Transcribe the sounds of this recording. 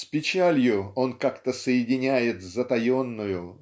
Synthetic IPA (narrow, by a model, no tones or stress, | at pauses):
spʲɪt͡ɕælʲjʊo̞nkakt̪əsəjɪdʲɪnʲæjɪt̪zət̪ɐjo̞nːʊjʊ